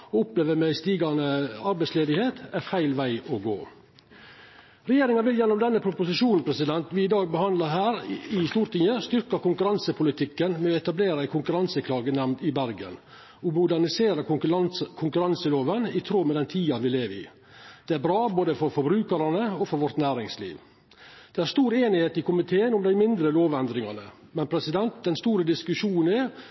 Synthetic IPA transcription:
ɔʊpleːʋəmæɪst̪iːɡɑnəɑɾbæɪtsleːd̪ɪheːt̪ʰæɾfæɪlʋæɪɔɡo̰ː | ɾɛjeːɾɪŋɑʋɪljɛnːɔmd̪ɛnːəpʰɾʊpʊsɪʂuːnn̩pʰɾɛsɪd̪ɛnt̪ʋɪɪd̪ɑːɡ̚bəhɑnd̪lɑɦæːɾɪst̪uːɾt̪ʰɪŋəst̪ʏɾkɑkʊŋkʉɾɑnsəpʰʊlɪt̪ʰɪkːənmɛɔɛt̪ɑbleːɾəæɪkʰʊŋkʉɾɑnsəkʰlɑːɡənɛmnt̪ɪbæɾɡə̰n | ɔmʊd̪æɳɪseːɾə | kʰʊŋkʉɾɑnsəloːʋənɪt̪ʰɾoːmɛd̪ɛnt̪ʰiːɑʋɪleːʋəɪ̰ | d̪̥ɛæɾbɾɑːboːd̪əfɔɾfɔbɾʉːkəɾɑnəɔfɔɾʋɔɾt̪næːɾɪŋslḭːʋ | d̪̥ɛæɾst̪uːɾeːnɪheːt̪ɪkʊmɪt̪ʰeːənʊmd̪æɪmɪnd̪ɾəloːʋɛnd̪ɾɪŋɑnə | mɛnpʰɾɛsɪd̪ɛnt̪̚d̪ɛnst̪uːɾəd̪ɪskʉʂuːnn̩ɛ

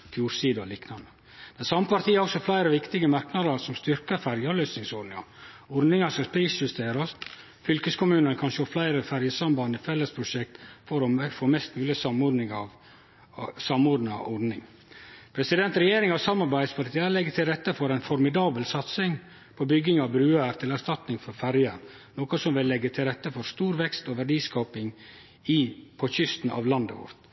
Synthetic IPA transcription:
fjuːɾsiːd̪ɔ̰liːknɑnə | d̪̥ɛnsɑmːəpʰɑɾt̪iːəɔksɔhɑflæɪɾəʋɪkt̪ɪɡəmɑɾknɑd̪əɾsɔmst̪ʏɾkəfæɾjɑløːsnɪŋsɔɾɖ̪nɪŋɑ̰ | ɔɾnɪŋɑskɑspiːsjʉst̪ʰeːɾəs | fʏlkəskʰʊmʉːnənəkʰɑnʃoːflæɪɾəfæɾjəsɑmbɑnəfɛlːəspʰɾʊʂɛk̚t̪fɔɾɔfoːmɛst̪mʉːlɪsɑmɔd̪nɪŋɑʋ | sɑmɔdɖ̪nəɑ̰ʔɔɖnɪŋ | pʰɾɛsɪd̪ɛnt̪ɾɛjeːɾɪŋɑʋsɑmɑɾbæɪd̪spʰɑɾt̪ʰɪəlɛɡːət̪ʰɪlɾɛt̪ːəfɔɾæɪnfɔɾmɪd̪ɑːbəlsɑt̪sɪŋ | pʰɔbʏɡɪŋɑʋbɾʉːæɾt̪ʰɪlæɾʂt̪ɑt̪nɪŋfɔɾfæɾjəɾ | noːkɔsɔmʋɪlːɛɡːət̪ʰɪlɾɛt̪ːəfɔɾst̪uːɾʋɛkst̪ɔʋæɖiːskɑːpɪŋ | ipʰɔçʏst̪n̩ʔɑ̰ːʋlɑnd̪əʋɔ̰ɾt̪

